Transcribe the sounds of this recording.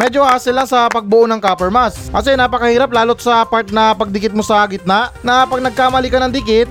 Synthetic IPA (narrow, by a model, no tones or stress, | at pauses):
mɛd͡ʒohaːsɪlːɐŋsɐpɐɡ̚bʊʔonɐŋkaːpɛɹmaskɐsɛnaːpɐkɐhiːɾɐp̬̚laːlot̪̚sɐpaɹt̪̚nɐpɐɡ̚d̪ɪkɪt̪̚mosɐɡɪt̪̚naʔnɐpɐɡ̚nɐɡ̚kaːmɐlikɐnɐŋd̪ɪkɪt̪̚